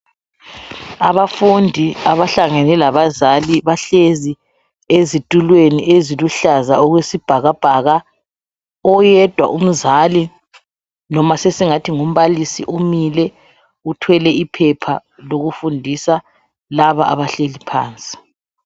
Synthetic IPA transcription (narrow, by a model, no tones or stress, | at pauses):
aβafundʱiaβaɬaŋɛnɛlaβazaliβaɬezi | ezitʼulweniʔeziluɬazaɔɣwesib̥ʱaɣab̥ʱaɣa | ɔjɛd̥ʱwa̰ʔum̩zali | nɔmasesiŋatʰiŋum̩βalisḭʔumilɛ | utʰwɛlɛipʰɛpʰaloɣufundʱisa | laβaʔa̰βaɬelipʰa̰ːnt͡sʼi̥